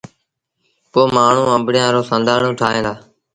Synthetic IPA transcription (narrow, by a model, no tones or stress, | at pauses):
poːmaːɳ̤ũːə̃mbɽɪjãːɾoːsə̃nd̪ʱaːɳũːʈʰaːɦẽːd̪aː